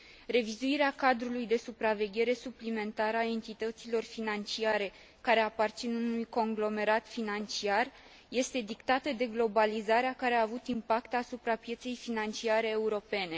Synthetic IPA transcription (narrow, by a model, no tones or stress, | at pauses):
re̞vizuiɾeakad̪ɾulujd̪e̞supɾave̞ɡʲe̞ɾe̞suplime̞nt̪aɾəae̞nt̪it̪ət̪silo̞rfinant͡ʃiaɾe̞ | kaɾe̞apart̪sinunujko̞ŋɡlo̞me̞ɾat̪finant͡ʃiar | je̞st̪e̞d̪ikt̪at̪əd̪e̞ɡlo̞balizaɾeakaɾe̞aːvut̪impakt̪asupɾapje̞t̪se̞jfinant͡ʃiaɾe̞ːuɾo̞pe̞ne̞